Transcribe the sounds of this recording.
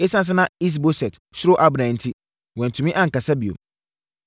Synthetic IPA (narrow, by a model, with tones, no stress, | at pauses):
e˦sã˦s̬ɪ˦nã˦i˦s̬bo˦sɛ˨t | ɕɪ˦ɾo˦ʔa˦bɾã˨n̩˦tʰi˦ | wɛ̃˨n˨tʰũ˨mĩ˦ʔã˦ŋ̩˨ka˨sa˦bi˨o̰˨